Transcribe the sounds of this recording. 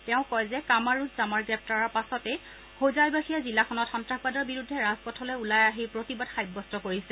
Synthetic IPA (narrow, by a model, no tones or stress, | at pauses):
tɛʊ̃kɔjzɛkamaɹuzzamaɹɡɹɛp̚ʰtaɹɔɹpasɔtɛ | hozajbaxijazilːaxʰɔnɔtxɔntɹakʰbadɔɹbiɹudʱːɛɹazpɔtʰɔlɛulajaɦipɹotibadxajbːɔstɔkoɹisɛ